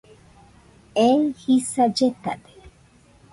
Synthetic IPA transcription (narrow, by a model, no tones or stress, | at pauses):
ehisad͡ʒet̪ad̪e̥